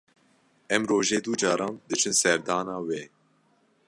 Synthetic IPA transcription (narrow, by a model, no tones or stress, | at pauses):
ɛmɾoːʒeːd̪ud͡ʒɑːɾɑ̃ːnd̪ɨt͡ʃʰɨnsɛɾd̪ɑːnɑːweː